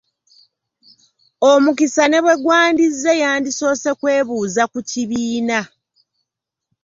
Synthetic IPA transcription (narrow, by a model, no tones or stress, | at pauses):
omukisane̞βwe̞ɡwaːndizːe̞jaːndiso̞ːse̞kwe̞ːβuːzakuciβiːna